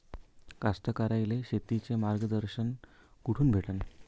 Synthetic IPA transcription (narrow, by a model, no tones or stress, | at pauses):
kast̪əkaɾajleɕet̪it͡semaɾɡəd̪əɾɕən | kuʈʰuːnbʱeʈən